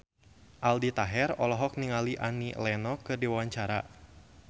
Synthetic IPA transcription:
ʔaldit̪aɦɛrɔlɔɦɔk̚niŋaliʔa̰nilɛnɔkɨrdiwawaɲt͡ʃaɾa̰

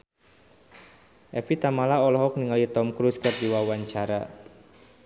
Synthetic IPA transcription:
ʔɛfit̪amalaɔlɔɦɔk̚niŋalit̪ɔmkɾuskər̚diwawaɲt͡ʃaɾa

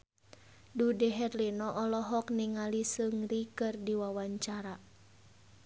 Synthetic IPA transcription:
dudɛɦɛrlinɔʔɔlɔɦɔk̚niŋalisɨŋrikɨrdiwawaɲt͡ʃaɾa

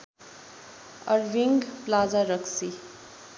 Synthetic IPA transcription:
ʌ̰ɾʋiŋɡplad͡zaɾʌksi

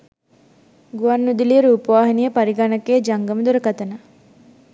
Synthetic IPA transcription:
ɡuʋɐnːud̪ilijəɾuːpɐʋaːɦinijəpɐɾiɡanɐkeːd͡ʒɐŋɡɐmɐd̪uɾɐkɐt̪ɐnɐ

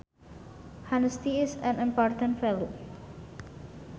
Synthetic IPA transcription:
hanəst̪iɪsɛ̃nĩmpɔɹt̪ə̃ntfɛlo

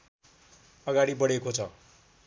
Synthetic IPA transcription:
ʌɡaɽibʌɽekot͡sʰʌ̰

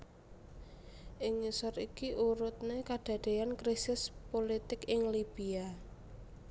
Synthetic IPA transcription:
ʔɪŋːisɔɾikiʔuɾʊt̪̚nekaɖ̥ä̤ɖ̪̥e̤jankɾisɪspolit̪ɪkɪŋlib̥ia

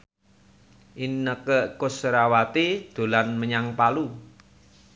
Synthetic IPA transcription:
ʔinːəkəkʊsɾawat̪id̪̥o̤lanməɲaŋpalu

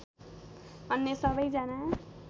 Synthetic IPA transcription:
ʌnːjesʌbʌjd͡zana

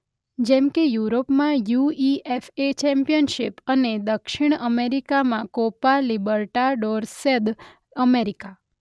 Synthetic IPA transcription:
d͡ʒɛmkejuɾopmãjuiefet͡ʃɛmpijənʃɪpəned̪əkʃiɳ̃əmeɾikamãkopalibəɾʈaɖoɾsed̪ | əmeɾika

